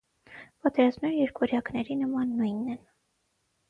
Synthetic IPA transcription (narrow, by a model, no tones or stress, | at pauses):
pɑt̪ɛɾɑzmɛɾjɛɾkɔɾjɑknɛɾinəmɑnːujnːɛn